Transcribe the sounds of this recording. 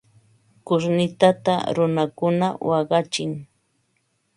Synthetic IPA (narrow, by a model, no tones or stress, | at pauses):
kʊʃnɪt̪at̪a̰ɾʊnakʊnawɑɢɑt͡ʃɪŋ